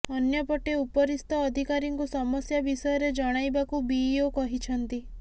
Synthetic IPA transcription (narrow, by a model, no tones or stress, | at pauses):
ɔnjɔpɔʈeupɔɾist̪ɔːd̪ʱikaɾiŋkusɔmɔsjabisɔjɔɾed͡ʒɔɽ̃ajbakubiokɔɦit͡ʃʰɔnt̪i